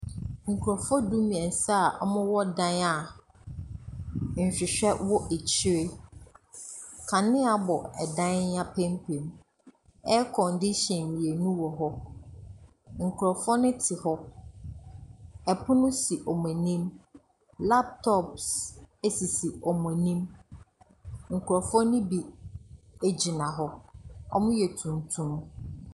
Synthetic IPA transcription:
ŋ̩˨kʰu˨ɾɔ˨fɔ˦du˦mĩ˨ɛ̃˨n˨sa˦˨ʔɔ̰˦mʊ̃˦wɔ˦dã˦na˦˨ | n̩˨ɕᶣɪ˨ɕᶣɛ˦wɔ˦ʔe˨t͡ɕʰɪ˦ɾe˦ | kʰa˨nɪ̃˦a˨bɔ˨ɛ˨dã˦n˦a˦pʰẽ˦mpʰẽ˨m | ɛ˦kʰɔ̃˨ndi˦ɕɛ̃˨nmĩ˨e˨nũ˦wɔ˨ɦɔ˦ | ŋ̩˨kʰʊ˨ɾɔ˨fɔ˦nɪ̃˦tʰɪ˨hɔ˦ | ɛ˨pʰʊ˦nʊ̃˦si˨ʔɔ˨m˨ɛ̃˨nĩ˦m | la˦p̚tʰɔ˦˨pse˦si˨si˨ɔ˨mɛ̃˨nĩ˦m | ŋ̩˨kʰʊ˨ɾɔ˨fɔ˦nɪ̃˦bi˨ | e˦d͡ʑi˨nã˨ɦɔ˦ɔ̰˦mʊ̃˦jɛ˨tʰũ˨n˨tʰũ˦m

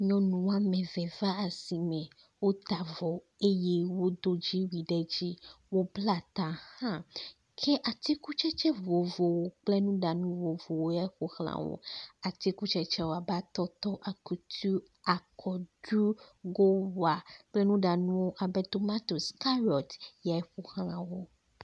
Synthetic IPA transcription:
ɲɔ̃˨nũ˨wa˦mɛ̃˨vɛ˨va˦a˨si˨mɛ̃˨ | wo˦t̪a˨vɔ˨ | e˦je˦wo˦d̪o˦d͡ʑi˦wi˨ɖɛ˦d͡ʑi˦wo˦bla˦t̪a˨hã˦ | kʰe˦ʔa˨t̪i˦ku˦t͡ʃɛ˦t͡ʃɛ˦vo˨vo˨wo˨k͡ple˦nũ˦ɖa˨nũ˦vo˨vo˨wo˦ja˦xo˨xl̃ã̰˨wo̰˨a˨t̪i˦ku˦t͡ʃɛ˦t͡ʃɛ˦wo˨a˨bɛ˦a˦t̪ɔ˦t̪ɔ˦ʔa˨ku˨t̪ʰu˦ | a˨kʰɔ˨ɖu˦ɡo˦wa˨k͡ple˦nũ˦ɖa˨nũ˦wo˦ʔa˨bɛ˦t̪o˨ma˦t̪o˨ska˦ɾɔ˨t̪ja˨e˦ɸo˨xl̃ã˨wo˦

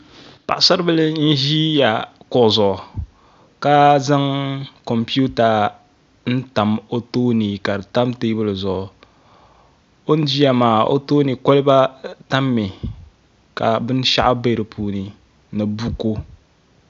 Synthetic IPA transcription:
pa̰˨ʔsa˦ɾbɨ˦lɨ˦n̩˦ʒi˦ja˨kɔ˨zʊ˨ʔʊ˨ | ka˦za˦ŋko˨mpi˦u˦ta˨ | n̩˦ta˨mo˦toː˦ni˨ka˨ɾɨ˨ta˦mte˦bɨ˦lɨ˨zʊ˨ʔʊ˨ | o˦n˦d͡ʒi˦ja˦maː˨o̰˦to˦ni˨ko˦lba˦ta˦mːi˨ | ka̰˨bɨ˦n˦ʃa̰˦ʔa˦be˦ɾɨ˨pʰuː˦ni˨ | nɨ˨bu˦ko˦

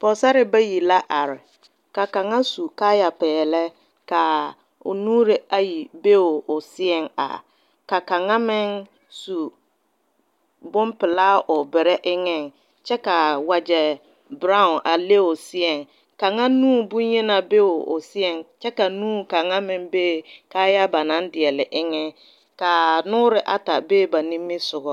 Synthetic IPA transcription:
pɔ˨sa˦ɾɪ˦ba˦ji˨la˦ʔa˨ɾɪ˨ | ka˨ka˨ŋa˦su˨ka˦ja˨pɛː˨lɛ˦ | ka˨ | ʊ̰˨nuː˦ɾɪ˨a˨ji˨be˦ʊ˨ʊ˨sɪ˦ɛ˨ŋa̰˨ | ka˨ka˨ŋa˦mɪ˦ŋ | su˨ | bʊ˦mpɪ˨laː˦ʔʊ˨bɪ˨ɾɛ˦ʔɪ˦ŋɪ˨ŋ | t͡ʃɛ˦ka˨wa˨d͡ʒɛ˨ | bɾa˦ʊ˨nʔa˨le˦ʊ˨sɪ˦ɛ˨ŋ | ka˨ŋa˦nuː˦bʊ˦jɛ˦na˨be˦ʊ˨ʊ̰˨sɪ˦ɛ˨ŋt͡ʃɛ˦ka˨nuː˦ka˨ŋa˦mɪ˦ŋbeː˦ka˦ja˦ba˨na˨˦n˦dɪ˨ɛ˨lɪ˨ʔɪ˦ŋɪ˦ | ka˨nʊː˦ɾɪ˨ʔa˨ta˨beː˦˨ba˨ni˦mːɪ˦sʊ˨ɣɔ˦

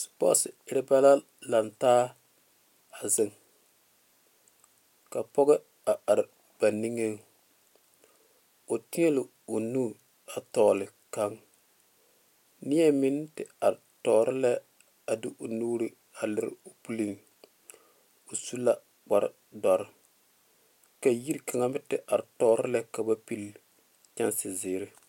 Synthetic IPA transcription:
spɔ̰˦sɪ˨ɪ˦ɾɪ˦ba˦la˦ | la˨ntaː˦ | a˨zɪ˨ŋ | ka˨pɔ˦ɡɛ˦ | a˨ʔa˨ɾɪ˨ | b̥a˨ni˦ŋe˦ŋ | o˨ti˦e˦lɪ˨ | o˨nu˦˨ | a˨tɔː˨lɪ˨ | ka˦ŋ | nɪ˦ja˦mɪ˦n˦tɪ˨a˨ɾɪ˨tɔː˨ɾɪ˦lɛ˦ | a˨dɪ˦ʔo˨nuː˦ɾɨ˦ | a˨lɪ˦ɾɪ̰˦˨o˨pu˦li˦ŋ | o˨su˦la˦ | k͡pa˨ɾɪ̰˦˨ | dɔ˨ɾɪ˦ | ka˨ji˦ɾka˨ŋa˦mɪ˦tɪ˨ʔa˨ɾɪ˨tɔː˨˦ɾɪ˦la˦ka˨ba˦pi˦l | t͡ʃa˦nsɪ˨zɪː˨˦ɾɪ˦

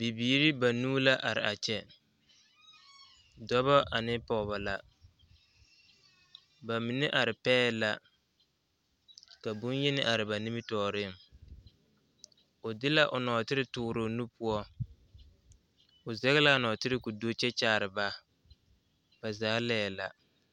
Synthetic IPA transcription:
bi˨biː˨˦ɾɪ˦ba˨nuː˦la˦ʔa˨ɾɪ̰˨ʔa˨t͡ʃɛ˦ | dɔ˦βɔ˦ʔa˨nɪ˦pɔ˨ba˨la˨ | ba˨mɪ˨nɛ˦ʔa˨ɾɪ˨pɛː˦la˦˨ | ka˨bʊ˦n˦jɛ˦nɪ˦ʔa˨ɾɪ˨ba˨ni˦mɪ˦tɔː˨ɾɪ˦˨ | ʊ˨dɪ˦la˦ʔʊ˨nɔː˨tɪ˦ɾɪ˦tʊː˦ɾo˨nu˦pu˦ɔ˦ | ʊ˨zɛ˦ɣɪ˦la˦˨nɔ˨tɪ˦ɾɪ˦kʊ˨do˦t͡ʃɛ˦t͡ʃaː˦˨ɾɪ˨ba˦ | b̥a˨zaː˨˦lɛː˦˨la̰˨

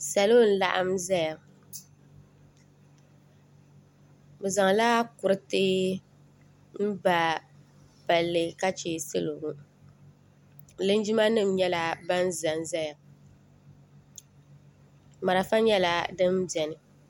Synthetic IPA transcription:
sa˨lo˦n̩˦la̰˦ʔa̰˦mza˦ja˨ | bɨ˨za˨ŋ˨la˦kʊ˨ɾɨ˦teː˦ | m̩˦ba˨ | ba˨lːɨ˨ka˦t͡ʃeː˨sɨ˦lo˨ɡu˦ | lɨ˦n˦d͡ʒi˦ma˦nɨ˦mɲɛ˦la˦ba˦n˦za˨nza˦ja˨ | ma˨ɾa˨fa˦ɲɛ˦la˦dɨ˦m˦bɛ˨nɨ˨

